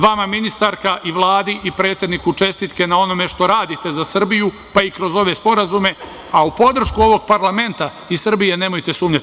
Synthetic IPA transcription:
ʋamaminist̪aɾkaʔiʋlˠaːd̪iʔipɾe̞ːt̪sjed̪nikut͡ʂe̞st̪it̪ke̞nao̞no̞me̞ʃt̪o̞ɾaːd̪it̪e̞zasr̩biju | paikɾo̞zo̞ʋe̞spo̞ɾazume̞ | aupo̞d̪r̩ʃkuo̞ʋo̞ɡ̚paɾlˠame̞nt̪a | isr̩bije̞neːmojt̪esuːmɲa

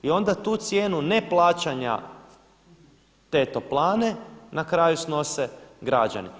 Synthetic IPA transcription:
io̞nd̪at̪uːt̪sjeːnune̞plˠaːt͡ɕaɲa̰ | t̪e̞t̪o̞plˠaːne̞nakɾaːjusno̞seɡɾad͡ʒa̰ni

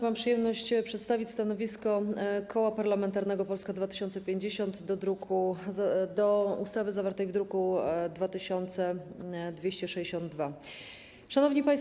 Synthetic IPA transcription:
mampʂɨjɛmnɔɕt͡ɕpʂɛt̪st̪avʲit͡ɕʲst̪anɔvʲiskɔkɔwapaɾlamɛnt̪aɾnɛɡɔpɔlskad̪vat̪ɘ̥ɕɔnt̪sɛpʲjeɲd͡ʑeɕɔnt̪d̪ɔd̪ɾukʰuzd̪ɔust̪avɘzavaɾt̪ɛjvd̪ɾukud̪vat̪ɘɕɔnt̪sɛd̪vʲjeɕt͡ɕɛʂɛd͡ʑeɕɔnd̪̚d̪va | ʂanɔvɲipaj̃s

